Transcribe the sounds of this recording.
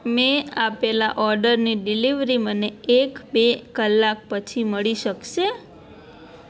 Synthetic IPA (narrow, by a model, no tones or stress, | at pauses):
meapelaʔɔɾɖəɾniɖiliʋɾiməneekbekəlːak̚pət͡ʃʰiməɭiʃəkʃe